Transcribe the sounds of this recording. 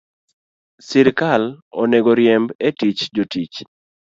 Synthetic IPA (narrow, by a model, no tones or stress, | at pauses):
sɪɾkalo̰neɡoɾjɛmbetit͡ʃd͡ʒotit͡ʃ